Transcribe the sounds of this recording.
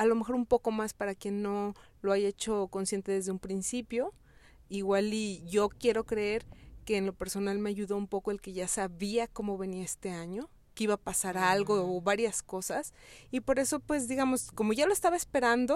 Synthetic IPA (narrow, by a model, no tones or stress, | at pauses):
alome̞xo̞ɾumpo̞ko̞maspaɾakje̞nːo̞loaʝaet͡ʃo̞ko̞nsje̞nt̪e̞ðe̞zðeumpɾinsipjo̞ | iɣwaliʝo̞kje̞ɾo̞kɾe̞e̞ɾke̞ːnlo̞pe̞ɾso̞nalme̞aʝuðoumpo̞ko̞e̞lke̞ʝasaβiako̞mo̞βe̞niaest̪e̞aɲo̞ | keiβapasaɾalɣo̞ːβaɾjasko̞sasipo̞ɾe̞so̞pwe̞zðiɣamo̞sko̞mo̞ʝaloest̪aβaespe̞ɾand̪o̞